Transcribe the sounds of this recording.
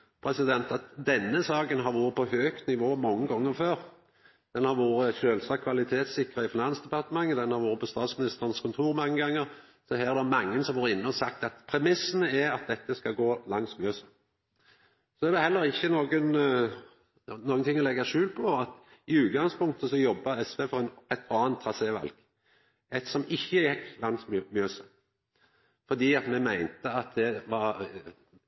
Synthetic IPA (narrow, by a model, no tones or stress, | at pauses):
pʰɾɛsɪd̪ɛnt̪ɑt̪d̪ɛnːəsɑːkənɦɑɾʋuːɾəpʰɔhøːkt̪nɪʋoːmɔŋːəɡɔŋːəɾføːɾ | d̪̥ɛnhɑɾʋuːɾəçøːlsɑːkʰʋɑlɪt̪ʰeːt̪sɪkːʁəɪfɪnɑnsd̪ɛpɑʁt̪əmɑŋːəd̪ɛnhɑɾʋuːɾəpɔst̪ɑːt̪smɪnɪst̪əʁənskʰʊnt̪ʰuːɾmɑŋːəɡɑŋːəɾ | sɔɦæːʁd̪æmɑŋːənsɔmʋoːɾəɪnːəɔsɑk̚t̪ɑt̪pʰɾɛmɪsːənəɛɾɑt̪̚d̪ɛt̪ːəskɑɡoːlɑŋsmøːs | sɔɛʁd̪ɛhɛlːəʁɪçːənoːɡən | noːɡənt̪ʰɪŋːɔlɛɡəʂʉːlpʰɔɑt̪ | ɪʉːt̪ɡɑŋspʊŋkt̪əsɔjɔbːɑɛsʋeːfɔʁɛnɛt̪ʰɑːnt̪ʰːʁɑseːʋɑ̰lɡ̥ | ɛt̪sɔmɪçːəjɛkːlɑŋsmmjøːsə | fɔd̪iːɑt̪mɛmæɪnt̪əɑt̪̚d̪ɛʋɑʁ